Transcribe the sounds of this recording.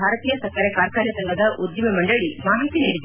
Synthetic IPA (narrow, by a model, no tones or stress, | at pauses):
bʱaːɾɐt̪iːjɐsɐkːɐɾekaːɾkaːɾjɐsɐŋɡʱɐd̪ɐʔud̪jɐmɐmɐɳɖɐɭimaːɦit̪ːiniːɽid̪